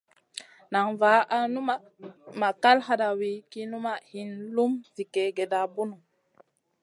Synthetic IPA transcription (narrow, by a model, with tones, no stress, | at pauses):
na˨ŋva˨˦a˨nu˦ma˦ | ma˨ka˦lɦa˨da˨wi˨˦ki˦nu˦ma˨hi˨nlu˦mvi˨ke˨˦ɡe˨da˨bu˦nu˨